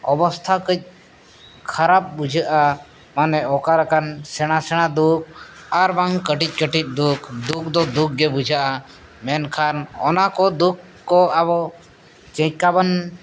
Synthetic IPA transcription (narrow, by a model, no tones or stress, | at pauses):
ɔbɔst̪ʰakəc̚ | kʰaɾap̚bud͡ʒʱaʔa | manɛɔkaɾakansɛɽ̃asɛɽ̃ad̪uk̚aɾbaŋkəʈic̚ˀkəʈic̪̚ˀd̪ukʰd̪uk̚d̪ɔd̪uk̚ɡɛbud͡ʒʱaʔa | mɛnkʰanɔ̰nakɔd̪ukː | ɔabɔʔ | t͡ʃə̃kaban